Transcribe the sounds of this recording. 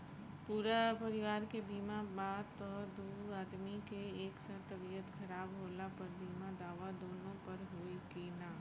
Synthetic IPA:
puːɾapɐɾɪʋaːɾkebiːmãbaːd̪t̪ɔd̪uːaːd̪mikeeːksaɾt̪ɐbijət̪xɐɾaːbɦoːlapɐɾbiːmãd̪aːʋad̪oːnõpɐɾɦoːikenaː

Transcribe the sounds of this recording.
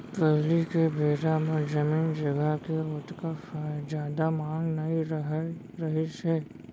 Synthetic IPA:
pəːlikebʱeːɾamɐɾd͡ʒɐmiːnd͡ʒɐɡəɦkeʊt̪kafad͡ʒjaːd̪amãːŋɡnɐiɦ | ɾɐɦiʃɛː

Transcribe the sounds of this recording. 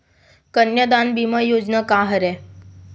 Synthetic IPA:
kənjəd̪anbiməjod͡ʑnəkaɦəɾɛ

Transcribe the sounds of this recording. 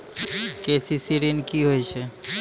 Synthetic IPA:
kesisiɾinkiɦojt͡ɕʰe

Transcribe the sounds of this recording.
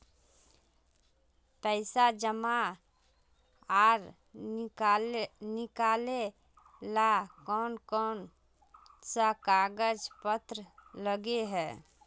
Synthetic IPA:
pəɪsad͡ʒəma | aːɾ | nɪkale | lakɔːnkɔːn | sakaɡəd͡ʒpət̪ɾələɡeɦɛː

